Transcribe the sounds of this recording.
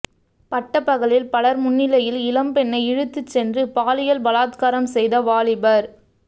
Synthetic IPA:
pɐʈːɐpːɐɣɐlɪlpɐlɐɾmʊnːɪlɐjɪlɪlɐmpɛnːɐɪɪɻɯt̪ːɯt͡ʃːɛndrɯpaːlɪjɐlbɐlaːt̪kaːɾɐmsɛjðɐʋaːlɪbɐɾ

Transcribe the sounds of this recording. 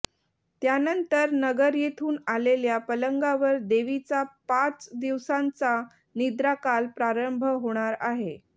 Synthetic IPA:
t̪janənt̪əɾnəɡəɾjet̪ʰuːnaleljapələŋɡaʋəɾd̪eʋit͡sapat͡sd̪iʋsãnt͡sa | nid̪ɾakalpɾaɾəmbʱəɦoɽ̃aɾaɦe

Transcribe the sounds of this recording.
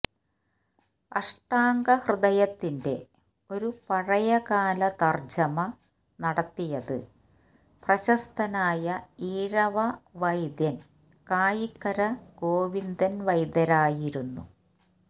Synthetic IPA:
ɐʂʈaːŋɡɐhrɨðɐjɐt̪ːinde̞ | o̞ɾupɐɻɐjɐkaːlɐt̪ɐrd͡ʑɐmɐ | nɐɽɐt̪ːijɐðɨ̰ | prɐɕɐst̪ɐnaːjɐiːɾɐʋɐʋɐjd̪jɐn | kaːjikːɐɾɐɡo̞ːʋind̪ɐnʋɐjd̪ɐɾaːjiɾunːṵ

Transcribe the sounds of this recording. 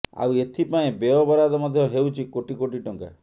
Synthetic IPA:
a̰wet̪ʰipaẽbeɔbɔɾad̪ɔmɔd̪ʱjɔɦewt͡ʃʰikoʈikoʈiʈɔŋka̰

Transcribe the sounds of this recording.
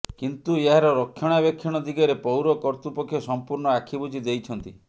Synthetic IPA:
kint̪ueɦaɾɔɾɔkʰːjɔɽ̃abɔkʰːjɔɽ̃ɔd̪ʱiɡɔɾepɔwɾɔkɔɾt̪upɔkʰːjɔsɔmpuɾɳɔakʰibud͡ʒid̪ejt͡ʃʰɔnt̪i

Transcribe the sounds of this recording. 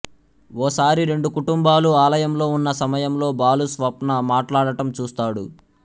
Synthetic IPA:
ɔːsaːɾiɾe̞ɳɖukuʈumbaːluaːlɐjɐmlo̞ːunːɐsɐmɐjɐmlo̞ːbaːlusʋɐpnɐmaːʈlaːɽɐʈɐmt͡ʃuːst̪aːɽṵ

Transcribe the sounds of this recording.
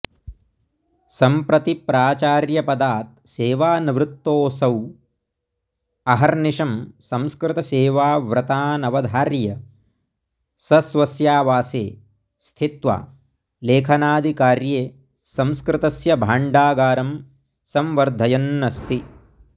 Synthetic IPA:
sɐmpɾɐt̪ipɾaːt͡ʃaːɾjɐpɐd̪aːt̪̚seːʋaːniʋɾɪt̪ːoːsɐw | ɐɦɐɾniʃɐmsɐmskɾɪt̪ɐseːʋaːʋɾɐt̪aːnɐʋɐd̪ʱaːɾjɐ | sɐsʋɐsjaːʋaːseː | st̪ʰit̪ʋa̰ː | leːkʰɐnaːd̪ʱikaːɾjeː | sɐmskɾɪt̪ɐsjɐbʱaːɳɖaːɡaːɾɐm | sɐmʋɐɾd̪ʱɐjɐnːɐst̪i

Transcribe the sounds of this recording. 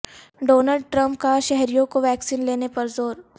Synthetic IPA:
ɖoːnəlɖ̚ʈɾɐ̃mp̚kaʃɛɦɾijõkoʋɛːksiːnleːnepɐɾzoːɾ

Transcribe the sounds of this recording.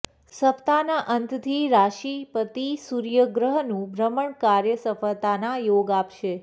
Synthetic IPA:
səpʰt̪anaʔənt̪t̪ʰiɾaʃipət̪isuɾjəɡɾəɦnũbʱɾəməɳkaɾjəsəfəlt̪anajoɡapʃe

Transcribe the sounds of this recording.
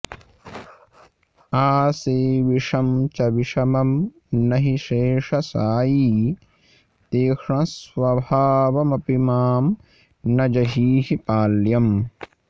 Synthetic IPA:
aːseːʋiʂɐmt͡ʃɐʋiʂɐmɐm | nɐɦiʃeːʂɐsaːjiː | t̪eːkɳɐ̃sʋɐbʱaːʋɐmɐpimaːm | nɐd͡ʒɐɦiːɦipaːljɐm

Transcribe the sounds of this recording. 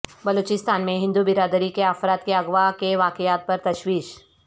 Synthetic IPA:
bɐloːt͡ʃɪst̪aːnmẽɦɪ̃nd̪ubɪɾaːd̪əɾikeafɾaːt̪keɐɣʋakeʋaːkɪjaːt̪̚pɐɾt̪ɐʃwiːʃ

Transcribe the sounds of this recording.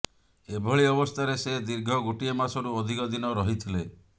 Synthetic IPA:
ebʱɔɭiɔbɔst̪ʰaɾesed̪iɾɡʱɔɡuʈiemasɔɾuod̪ʱikɔd̪inɔɾɔɦit̪ʰile

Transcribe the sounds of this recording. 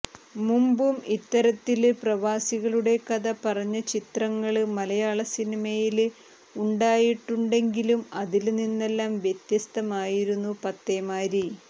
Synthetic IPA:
mumbumit̪ːɐɾɐt̪ːilprɐʋaːsiɣɐɭuɽe̞kɐðɐpɐrɐɲːɐt͡ɕit̪rɐŋːɐɭmɐlɐjaːɭɐsinimɐjil | uɳɖaːjiʈːuɳɖe̞ŋɡilumɐðilninːe̞lːaːmʋjet̪jɐst̪ɐmaːjiɾunːupɐt̪ːemaːɾi

